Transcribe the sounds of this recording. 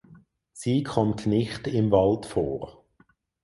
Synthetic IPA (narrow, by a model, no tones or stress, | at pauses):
siːkʰɔmtnɪχtɪmvɑltfoːʁ